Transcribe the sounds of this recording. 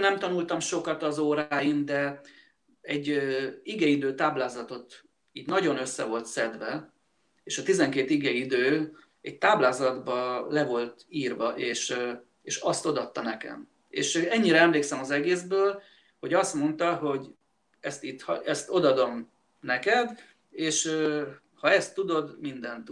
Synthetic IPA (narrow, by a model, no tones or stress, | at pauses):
nɛmt̪ɒnult̪ɒmʃo̞kɒt̪ɒzoːɾaːjimd̪ɛ | ɛɟːiɡɛid̪øːt̪aːblaːzɒt̪o̞t̪ | iːɟ̪nɒɟo̞nø̞sːɛ̰vo̞lt̪sɛd̪ʋɛ | eːʃɒt̪izɛŋkeːt̪iɡɛid̪øː | ɛc̚t̪aːblaːzɒd̪bɒlɛvo̞lt̪iːrvɒʔeːʃ | eːʃɒst̪o̞d̪ɒt̪ːɒnɛkɛ̰m | ḛːʃɛɲːiɾɛɛmleːksɛmɒzɛɡeːzbøːl | ho̞ɟɒst̪mo̞nt̪ɒɦo̞ɟ | ɛst̪it̪ːhɒ̰ɛst̪o̞d̪ɒd̪o̞m | nɛkɛd̪ | eːʃø | hɒɛst̪ːud̪o̞d̪mind̪ɛnt̪